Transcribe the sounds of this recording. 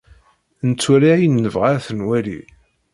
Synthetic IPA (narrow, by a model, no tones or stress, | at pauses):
nt͡sːwæliʕijnːəvʁaɾθənwælḭ